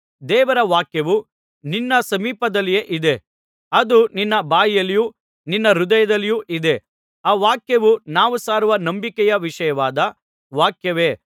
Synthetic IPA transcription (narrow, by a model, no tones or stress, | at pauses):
d̪ɛːʋɐɾɐʋaːkjɐʋu | ninːɐsɐmiːpɐd̪ɐlːijeːʔid̪e̞ | ɐd̪uninːɐbaːjijɐlːiju | ninːɐɾud̪ɐjɐd̪ɐlːijuʔid̪e̞ | aːʋaːkjɐʋunaːʋusaːɾuʋɐnɐmbikɛjɐʋiʂɐjɐʋaːd̪ɐ | ʋaːkjɐʋe̞ː